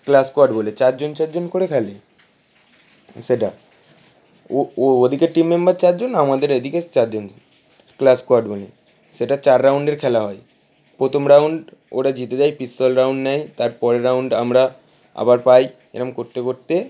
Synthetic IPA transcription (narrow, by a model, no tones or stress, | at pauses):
klaskoaɾɖbolet͡ɕaɾd͡ʑont͡ɕaɾd͡ʑonkoɾekʰɛle | seʈa | ood̪ʱikeʈimːembaɾt͡ɕaɾd͡ʑonamad̪eɾed̪ʱiket͡ɕaɾd͡ʑon | klaskoaɾɖbolḛ | seʈat͡ɕaɾːawɳɖeɾkʰɛlaɦɔe | pɾot̪ʰomɾawɳɖ | o̰ɽad͡ʑit̪ed͡ʑajpisʈolɾawɳɖnajt̪aɾpɔɾɾawɳɖamɾa | a̰baɾpaj | ḛɾamkoɾt̪ekoɾt̪e